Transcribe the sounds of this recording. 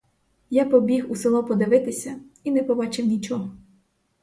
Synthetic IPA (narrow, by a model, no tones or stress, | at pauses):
japɔbʲiɦuselˠɔpɔd̪ɪʋɪt̪ɪsʲɐinɛpɔbɑt͡ʃɪwnʲit͡ʃɔɦɔ